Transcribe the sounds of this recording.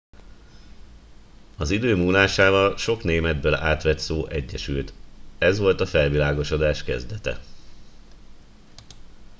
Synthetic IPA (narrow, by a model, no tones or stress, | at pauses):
ɒzid̪øːmuːlaːʃaːvɒlʃo̞kneːmɛd̪̚bøːla̰ːt̪ʋɛt̪soːʔɛɟːɛʃylt̪ɛzʋo̞lt̪ɒfɛlvilaːɡo̞ʃo̞d̪aːʃkɛzd̪ɛt̪ɛ̰